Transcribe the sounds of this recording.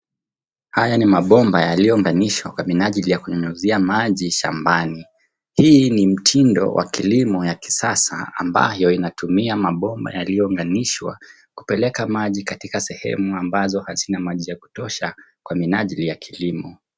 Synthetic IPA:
hajanimaɓɔmbajalijɔŋɡaniʃwakwaminaʄilijakuɲɔɲuziamaʄiʃa̰mbani | hiːnim̩tʰindɔ̰wʔa̰kilimɔjaki̥sasa̰a̰mba̰jɔinatumiamaɓɔmba̰jalijɔuŋɡaniʃwa̰ | ku̥pɛlɛkamaʄikatikasɛhɛ̰muambazɔhazinamaʄijaku̥tɔʃakwaminaʄilijakʰilimɔ

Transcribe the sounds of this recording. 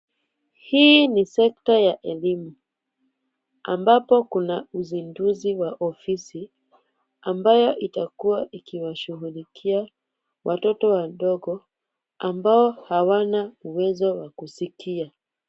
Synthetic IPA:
hiːnisɛk̚tajaʔɛlimu | a̰mbapɔkunauzinduziwaʔɔfisi | ambajɔʔitakuwaʔikiwaʃuɣulikʰia | wʔatɔtɔwaɗɔɡɔ | ambaɔhawanauwɛzɔwakusikia

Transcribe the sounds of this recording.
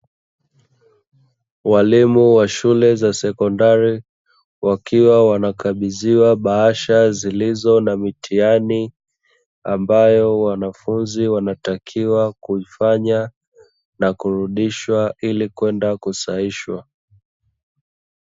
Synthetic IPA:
walimuwaʃulɛzasɛkɔndaɾi | wakʰiwawanakaɓiziwaɓaaʃazilizɔnamitʰiani | ambajɔwanafunziwanatakʰiwakuifaɲa | nakuɾuɗiʃwaʔilikwɛndakusaiʃwa̰

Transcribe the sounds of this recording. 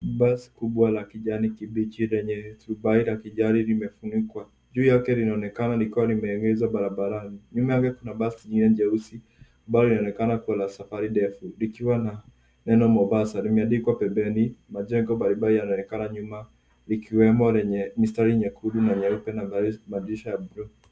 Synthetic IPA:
basi̥kuɓwalakiʄanikiɓit͡ʃiɾɛɲɛɾubailakiʄaɾilimɛfunikwa | d͡ʒuːjakɛlinaɔnɛkanalikiwalimɛŋɡɛzwaɓaɾabaɾaniɲumajakɛkunaɓasɲŋɡinɛnd͡ʒɛusi | baɔlinaɔnɛkanakuwalasafaɾiɗɛfulikiwana | nɛnɔmɔbasalimɛaɗikwapɛmbɛnimaʄɛŋɡɔɓaɾiɓaijanaɔnɛkanaɲuma | likiwɛmɔlɛɲɛmistaɾiɲɛkʰuɗunaɲɛɾupɛnabaimaɗiʃajabɾɔ

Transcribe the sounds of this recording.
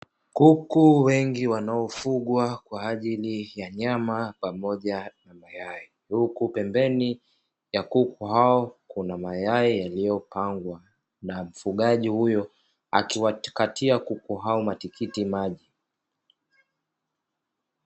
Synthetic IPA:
kukuwɛŋɡiwanaɔfuɠwakwaːʄilijaɲamapamɔʄanamajai | hukupɛmbɛni | jakukuɦaɔkunamajaijalijɔpaŋɡwa | nam̩fuɠaʄihujɔ | a̰kiwakatiakukuɦaɔmatikʰitimaʄi

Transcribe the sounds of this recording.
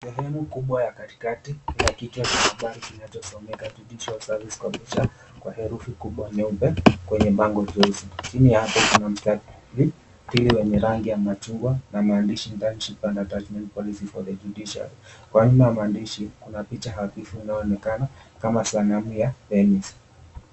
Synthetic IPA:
sɛɦɛmukuɓwajakati̥katikilakitat͡ʃahaɓaɾikinat͡ʃɔsɔmɛkad͡ʒuɗiʃalsaɾvisi̥kwaɓɛʃa | kwa̰hɛɾufikuɓwanɛupɛkwɛɲɛɓaŋɡɔd͡ʒɔzit͡ʃinijahapɔkunam̩sta | li | tiliwɛɲɛɾaŋɡijamat͡ʃuŋɡwanamaːndiʃindanʃipandatat͡ʃmɛntpɔlisifɔðɛd͡ʒuɗiʃa̰likwaɲumajamaːndiʃikunapit͡ʃaɦaθifuinajɔɔnɛkanakamasanamujapɛmis

